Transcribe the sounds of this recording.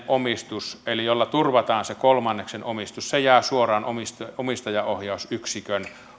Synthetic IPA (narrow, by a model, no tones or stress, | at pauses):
ʔomist̪uselijolːɑt̪urʋɑt̪ɑːnsekolmɑnːeksenomist̪ussejæˑːsuorˑɑːnʔomist̪omist̪ɑjɑohjɑˑusyksikøn